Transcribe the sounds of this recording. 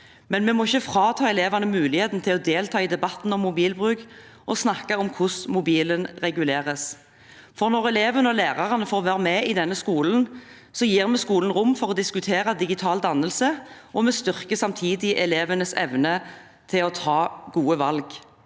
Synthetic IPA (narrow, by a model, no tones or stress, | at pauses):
mɛnmɛmɔɪçːəfɾɑːt̪ʰɑːɛleːʋɑnəmʉːlɪheːt̪n̩t̪ʰɪlɔd̪eːlt̪ʰɑːid̪ɛbɑt̪n̩ɔmːʊbiːlbʁʉːk | ʔɔsnɑkɑɔmkʰʊsmʊbiːlənʁɛɡʉleːʁəs | fɔʁnɔʁɛleːʋənəɔlæːʁɑʁənəfɔːʁɔʋæːʁəmɛːɪd̪ɛnːəskuːln̩ | sɔjiːʁmɛskuːlənʁʊmːfɔʁɔd̪ɪskʉt̪ʰeːʁɑd̪ɪɡɪt̪ʰɑːld̪ɑnːəlsəʔɔmɛst̪ʏʁkəsɑmt̪ʰiːd̪ɪʔɛleːʋənəsɛ̰ʋnə | t̪ʰɪlɔt̪ʰɑːɡuːəʋɑlɡ